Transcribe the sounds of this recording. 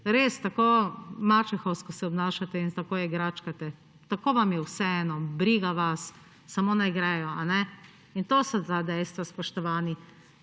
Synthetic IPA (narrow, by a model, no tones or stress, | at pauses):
ɾeːst̪akomaːt͡ʃɛxɔwskɔsɛɔbnaːʃat̪ɛint̪akoːjɛɡɾaːt͡ʃkat̪ɛ | t̪akoːʋamjɛwsɛɛːnɔbɾiɡaʋasː | amonajɡɾɛjɔanɛ | int̪oːsɔt̪ad̪ɛjst̪ʋaspɔʃt̪ɔʋaːni